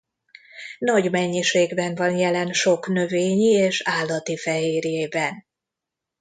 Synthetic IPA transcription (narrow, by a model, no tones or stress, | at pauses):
nɒɟmɛɲːiʃeːɡbɛnvɒnjɛlɛnʃo̞knø̞veːɲieːʃaːlːɒt̪ifɛɦeːɾjeːbɛn